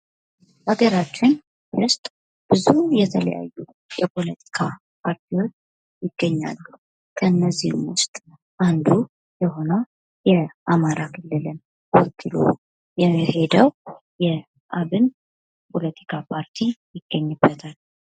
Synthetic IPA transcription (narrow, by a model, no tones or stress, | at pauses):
ʔaɡəɾat͡ʃːɪn | ʊst̪ʼ | b̥ɨzujɛt̪ʰələ̰ja̰jːu | jɛpʰo̞lət̪ʰi̥kʰa | pʰaɾt̪ʰiwo̞t͡ʃː | jɪɡ̥ːəɲːa̰lːu | kʰəɨnːəzːihɨmwʊst̪ʼ | ʔand̪u | jɛɦo̞nəw | jɛʔamaɾakʰɨlːɨlɨn | boɾt̪ʰilo̰ | jɛhe̞d̪əw | jɛ | ʔaβɨn | pʰo̞lət̪ʰi̥kʰapʰaɾt̪ʰijɪɡ̥ːəɲːɨbːət̪ʰal